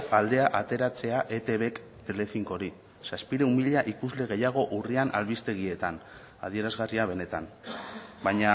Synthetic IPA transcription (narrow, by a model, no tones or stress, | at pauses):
ald̪e̞aʔat̪e̞ɾat͡se̞aʔe̞t̪e̞βe̞k | t̪e̞le̞fiŋko̞ɾi | saspiɾeumiʎaʔikuzle̞ɣ̞e̞jaɣ̞o̞ʔurianʔa̰lβist̪e̞ɣie̞t̪an | a̰ð̞ie̞ɾazɣariaβ̞e̞ne̞t̪an | bajɲa